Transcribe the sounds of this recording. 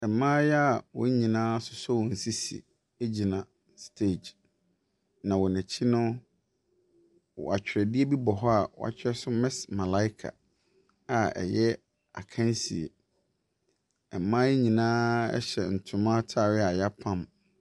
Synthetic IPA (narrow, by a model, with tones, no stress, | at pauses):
ɛ˨mːãː˦jɛ˦a˦˨wɔ˨˦ɲĩ˨nãː˦sʊ˨sɔ˦wɔ˨n̩˨si˦sḭ˨ | e˦d͡ʑi˨nã˨ | stʰe˦˨d͡ʒ | nã˨wɔ˨nɛ̃˨t͡ɕʰi˦nʊ̃˦ | wɔ̰˨a˨t͡ɕᶣɪ˨ɾɛ˨dɪ˦e˦bi˦bɔ˨ɦɔ˦a˨wɔ̰˨a̰˨t͡ɕᶣɪ˦ɾɛ˦sʊ˦mɛ̃˦smã˨la˦ɪ˦kʰa̰˨ | a˨ɛ̰˨jɛ˦ | a̰˨kʰã˦n˦si˨ḛ˨ | ɛ˨˦mã˦jɛ˦ɲĩ˨nãː˦ɛ̰˦ɕɛ̰˨n̩˨tʰʊ̃˨mã˦tʰa˦˨ɾɪ˦a˨ja˦pʰã˦m